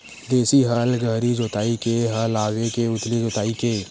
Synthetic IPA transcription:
d̪eːsiɦəlɡʱəɦɾid͡ʒoːt̪aːikeɦəlaːɡekeʊt̪lid͡ʒoːt̪aːike

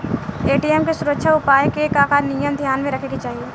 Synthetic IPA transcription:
eːʈiɛːmkesʊɾəkʃʰaʊpaːjekekaːkanijəmd̪ʱjaːnmẽɾɐkʰeɡit͡ʃaːɦieː

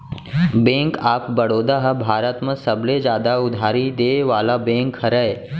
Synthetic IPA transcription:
bẽːŋkaːpbəɽoːd̪aɦəbʱaːɾət̪mə̃səbled͡ʒjaːd̪aʊd̪ʱaːɾid̪eːʋaːlabẽːŋkhəɾəe

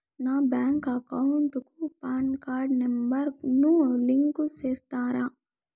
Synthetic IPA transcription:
naːbjaːŋkɐkɐwuɳʈkupaːnkaːɾɖnembɐɾɡnuliŋkut͡ʃeːst̪aːɾaː

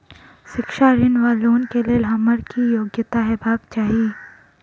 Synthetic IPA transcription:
ʃɪkʃaːɾɪnʋaːloːnkelelɦɐməɾkijoːɡjət̪aɦɛbʱaːɡt͡ʃaːɦi

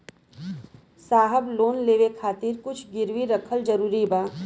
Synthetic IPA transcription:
saːɦəbloːnleːʋekʰaːt̪ɪɾkʊt͡ʃʰɡɪɾwiɾɐkʰəld͡ʒəɾuːɾibaː

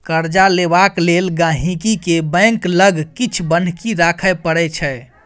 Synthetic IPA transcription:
kəɾd͡ʒalebaklelɡãɦĩkikebɛ̃ŋkləɡʱkit͡ʃʰbən̤kiɾakʰəpəɽɛt͡ʃʰɛ

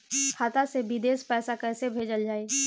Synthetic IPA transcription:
kʰaːt̪asebid̪eːspɛːsakɛːsebʱeːd͡ʒəld͡ʒaːeː

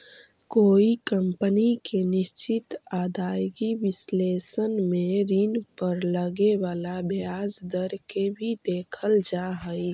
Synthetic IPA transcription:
koːikəmpənikenɪʃt͡ʃɪt̪aːd̪aːjɡiʋɪsleːsənmẽɾinpəɾləɡeʋaːlabʱjaːd͡ʒd̪əɾkebʱid̪eːkʰəld͡ʒaɦəi

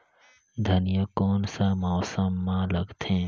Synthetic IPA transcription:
d̪ʱənijəkɔːnsamɔːsəmːãləɡt̪ʰẽː

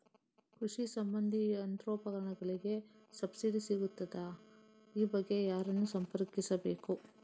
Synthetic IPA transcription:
kɾuʂisɐmbɐnd̪ʱiɐnt̪ɾoːpɐɡɾɐɳɐɡɐɭiɡe̞ | sɐbsiɖisiɡut̪ːɐd̪ɐ | iːbɐɡːe̞jaːɾɐnːusɐmpɐɾkisɐbe̞ːku

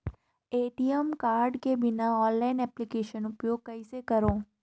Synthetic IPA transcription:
eːʈiemkaːɾɖkebɪnaɔːnlaɪnɛːplikeːʃənʊpjoːɡ̚kɐisekəɾoː

